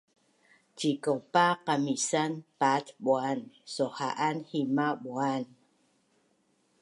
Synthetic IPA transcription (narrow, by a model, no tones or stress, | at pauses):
t͡ʃikopaqamisanpat̪ɓwansohaʔanhimaɓwan